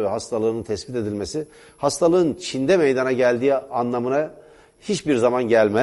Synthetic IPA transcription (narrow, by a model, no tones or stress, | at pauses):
vɛɦast̪ʰalˠɯːnɯnt̪ʰɛsbit̪e̞d̪ilʲmesi | hast̪ʰalˠɯɯnt͡ʃʰind̪ɛmejd̪anaɟælʲd̪iːanlˠamɯna | hit͡ʃbiɾzamanɟælʲmɛ